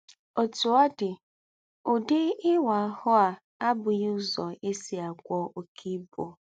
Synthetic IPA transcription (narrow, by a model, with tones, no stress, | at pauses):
o˨tu˨a˦dɪ˨ | ʊ˨dɪ˦ɪ˦wa˨a˨˦hʊ˦a˨ | a˦bʊ˨jʊ˦zɔ˨e˦si˦a˨kʷɔ˦o˨kʰi˦bo˨